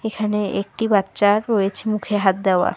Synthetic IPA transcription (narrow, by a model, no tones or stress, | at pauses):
ekʰaneek̚ʈibat̪ːɕaɾːojet͡ɕʰemukʰeɦat̪̚d̪ɛoa̰